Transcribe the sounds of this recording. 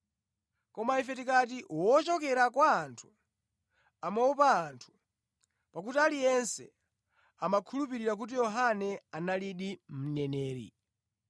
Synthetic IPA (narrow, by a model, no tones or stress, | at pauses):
kɔmaifɛtikatiwɔt͡ʃɔkɛɾakwaːntʰu̥ | amaupaːntʰu̥ | pakutialijɛnsɛ | amakʰulupiɾiɾak̬ut̬ijɔɦanɛanaliɗim̩nɛnɛːɾḭ